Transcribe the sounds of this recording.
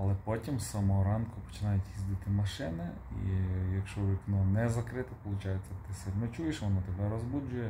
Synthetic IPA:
ɐlˠɛpɔtʲimsɐmɔɦɔɾɑnkʊpɔ̥t͡ʃɪnɑjʊtʲjizd̪ɪt̪ɪmɐʃɪnɪ | ḭjɐkʃt͡ʃt͡ʃɔʋʲiknɔnɛzɐkɾɪt̪ɪpɔlˠʊt͡ʃɑjet͡sʲːɐt̪ɪsɛnɛt͡ʃujeʃʋɔnɔt̪ɛbɛɾɔzbud͡ʒʊjɛ

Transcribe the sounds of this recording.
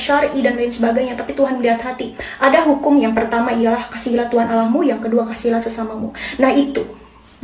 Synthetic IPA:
ʃarʔidanlainsəbaɡajɲat̪apit̪uɦanməliɦat̪hat̪iʔadaɦukʊmjaŋpərt̪amaijalahkasilat̪uɦanalahmujaŋkəduakasilasəsamamunahit̪u

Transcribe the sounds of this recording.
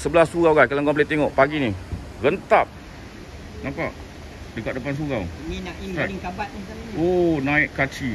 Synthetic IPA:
səbəlasuɣawɡajkalaŋkɔmp̬let̪eŋɔʔpaɡini | ɡənt̪ap̚ | napaʔ | dəkat̪̚dəpans̬uɣawŋinaʔinaŋkabat̪̚asaonãiʔkat͡ʃi

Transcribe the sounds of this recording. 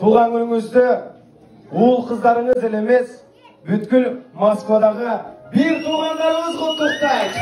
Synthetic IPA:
t̪ʰuʁɑnɵlɪŋʏzd̪ɪ | ʊlˠqʰəzd̪ɑɾəɴəzɪle̞me̞s | bʏt̪kʲɪlmoskvɑd̪ɑʁəbejɪɾt̪ʰuʁɑnd̪ɑɾəɴəzqolt̪əst̪ə

